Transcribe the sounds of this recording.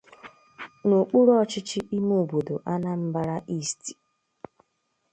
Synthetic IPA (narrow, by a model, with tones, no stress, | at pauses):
nu˨k͡pu˦ɾɔ˦t͡ʃɪ˦t͡ʃɪ˦ʔi˦mu˦˨bo˨do˨ʔa˦na˦m̩˦ba˦ɾa˦ʔi˦˨sti̥˨